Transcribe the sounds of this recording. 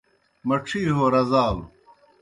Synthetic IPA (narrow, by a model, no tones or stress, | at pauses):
mɐʈ͡ʂʰiːɦoːɾɐzaːl